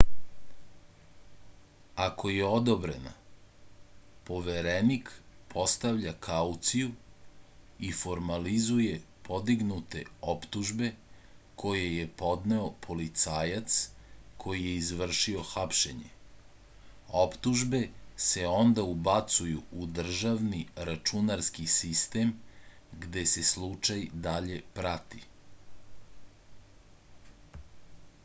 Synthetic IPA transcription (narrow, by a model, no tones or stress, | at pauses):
akʰo̞jeo̞d̪obɾe̞na̰ | po̞ʋeɾenikpʰo̞st̪aʋʎakʰaut̪siju | ifo̞ɾmalizuje̞ | pʰo̞d̪iɡnut̪e̞opt̪uʒbe̞ | kʰo̞je̞jepo̞d̪ne̞opʰo̞lit̪saːjat̪skʰo̞jije̞izʋr̩ʃioxapʃeɲḛ | opt̪uʒbe̞se̞o̞nd̪aubat̪sujuːd̪r̩ʒaʋniɾat͡ʃunaɾskisist̪e̞mɡd̪e̞se̞slˠut͡ʃajd̪aʎe̞pɾat̪i